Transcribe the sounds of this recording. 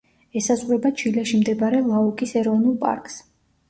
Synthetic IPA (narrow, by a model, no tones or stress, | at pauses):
ɛsazʁɾɛbat͡ʃʰilɛʃimd̪ɛbaɾɛlˠaukʼisɛɾɔvnulˠpʼa̰ɾkʼs